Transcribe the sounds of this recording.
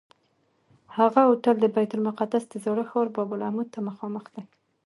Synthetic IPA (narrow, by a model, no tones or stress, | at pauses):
haɣaʊʈəld̪əbajt̪ʊlmʊqad̪asd̪̥əzɑɽəxɑɾbɑbʊlahmud̪̚t̪ʰaməxɑməxd̪̥aj